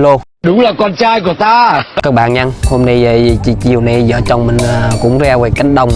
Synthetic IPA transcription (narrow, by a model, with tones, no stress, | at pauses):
lo˧ | ɗʊ˨˦ŋ͡mlaː˨˩kɔ˧nt͡ɕaː˧jku˧˩˦ət̪aː˧kaː˦˥k̚ɓa̰ː˧˨nɲa˧nho˧mna˧jt͡ɕḭ˧˨˩t͡ɕi˨˩əwna˧zə̰ː˧˨˦t͡ɕɔ˨˧˩wŋ͡mmï˨˩ŋ̟ː˨˩kʊ̰˧˥ŋ͡mzɛː˧ve˨˩ka˨˦ŋ̟ɗə˨wŋ͡m